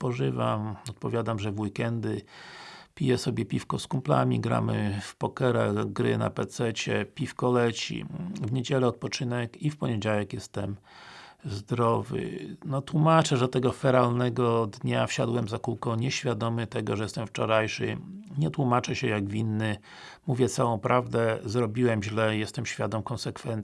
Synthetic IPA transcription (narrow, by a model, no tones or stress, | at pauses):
pɔʐɘva̰mɔt̪̚pɔvʲjad̪amʐɛvwikɛnd̪ɘ | pʲijɛsɔbʲjɛpʲifkɔskumpla̰mʲḭɡɾa̰mɘfpɔkɛɾa̰ɡɾɘ̰na̰pɛt̪sɛt͡ɕɛpʲifkɔlɛt͡ɕḭvɲed͡ʑɛlɛɔt̪̚pɔt͡ʂɘnɛkifpɔɲɛd͡ʑawɛkjɛst̪ɛm | zd̪ɾɔvɘ̰nɔt̪wumat͡ʂɛʐɛt̪ɛɡɔfɛɾalnɛɡɔd̪ɲafɕad̪wɛmzakuwkɔ̃ɲɛɕfʲjad̪ɔmɘt̪ɛɡɔ̰ʐɛjɛst̪ɛmft͡ʂɔɾajʂɘ̰ɲɛt̪wumat͡ʂɛɕɛjaɡvʲinːɘ | muvʲjɛt̪sawɔ̃w̃pɾʔavd̪ɛzɾɔbʲiwɛmʑlɛjɛst̪ɛmɕfʲjad̪ɔmkɔnsɛkfɛnt̪